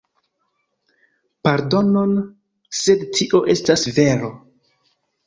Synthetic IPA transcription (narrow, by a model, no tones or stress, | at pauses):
paɾdo̞no̞n | se̞dtʰiʔo̞ʔe̞stasve̞ɾo̞